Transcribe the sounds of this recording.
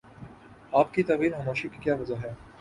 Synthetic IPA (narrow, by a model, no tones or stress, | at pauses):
aːpkit̪ɐːʋiːlɦɐmoːʃikikjaːʋɐzaɦɛː